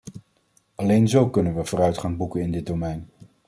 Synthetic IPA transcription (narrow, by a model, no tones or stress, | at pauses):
ɑlejnzowkɵnənʋəv̥ʊːɾœɥtχɑŋbukənɪndɪd̚domɛjn